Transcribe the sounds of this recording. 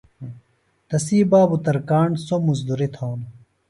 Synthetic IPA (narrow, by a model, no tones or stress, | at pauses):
t̪ɐsiːbaːbut̪ɐɾkaːɳsomuzd̪uɾit̪ʰoːn